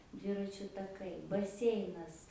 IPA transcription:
ˈdʲʋʲɪrɐt͡ʃʲʊ tɐˈkɐɪ bɐˈsʲɛɪnɐs

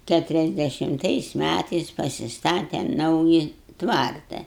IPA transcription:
ˌkʲætʊrʲɛzʲdʲɛʃʲɪmˈtɐɪs ˈmʲætɐɪs pɐsʲɪsˈtɑːtʲɛm ˈnɐʊjɪ ˈtʋɐrtɐ

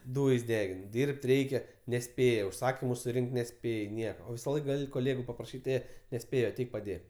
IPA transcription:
ˈduːjsʲ ˈdʲæːɡʲɪn ˈdʲiːrʲpʲtʲ ˈrʲɛɪkʲɛ nʲɛˈsʲpʲeːjɛ ʊʃˈsɑːkʲɪmʊ sʊˈrʲɪŋʲkʲtʲ nʲɛˈsʲpʲeːj ˈnʲiɛkɐ oː ˈʋʲɪsɐ ˈlˠɐɪkɐ koːˈlʲeːɡʊ pɐprɐˈʃʲiːtʲ ˈeː nʲɛˈsʲpʲeːjoː ɐˈtʲɛɪk pɐˈdʲeːk

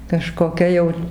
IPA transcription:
kɐʃkoːˈkʲɛ jɛʊ

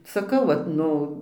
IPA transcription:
sɐˈkɐʊ ʋɐt ˈnʊ

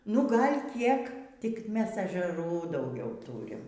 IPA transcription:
nʊ ˈɡɐlʲ ˈkʲiɛk tʲɪk ˈmʲɛs ɛʒʲɛˈruː dɐʊˈɡʲɛʊ ˈtuːrʲɪm

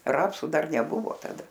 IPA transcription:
ˈrɑːpsʊ ˈdɐr nʲɛˈbʊʋoː tɐˈdɐ

